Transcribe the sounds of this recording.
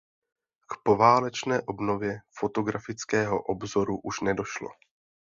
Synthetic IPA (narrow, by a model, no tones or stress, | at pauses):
kpo̞vaːlɛt͡ʃnɛːʔo̞bnovjɛfot̪o̞ɡɾafɪt͡skɛːɦo̞̰ʔobzo̞ɾuʔuʃnɛdo̞ʃlo̰